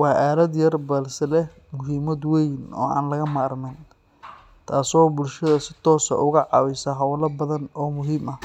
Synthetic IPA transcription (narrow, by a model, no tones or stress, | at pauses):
wɑːʔaːlɐd̪jɐrbɐlsɛlɛh | mʊɦiːmɐd̪wɛjnɔ̰ːʔa̰ːnlɐɣɐmaːrmɛn | t̪ʰaːsɔːbʊlʃɐðɐsɪt̪ʰɔːsɐ̰ʔʊɣɐʕɑ̰wɪsɐɦɐwlɐbɐðɐnɔːmʊɦiːmʔɐ